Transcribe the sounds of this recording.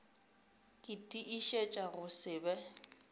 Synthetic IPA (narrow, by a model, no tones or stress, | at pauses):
kʼɪtʼiʔiʃet͡ʃʼaɣʊsɪːbɛ